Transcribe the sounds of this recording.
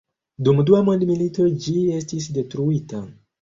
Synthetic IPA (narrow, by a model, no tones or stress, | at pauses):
dumduamo̞ndmilito̞d͡ʒie̞stis̬de̞tɾuita